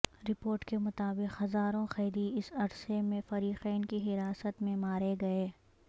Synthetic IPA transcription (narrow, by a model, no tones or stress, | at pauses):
ɾɪpoːɾʈkemʊt̪aːbɪqhɐzaːɾõxɛːd̪iɪsɐɾsemẽfɐɾiːqɛːnkiɦɪɾaːsət̪mẽmaːɾeɡɐeː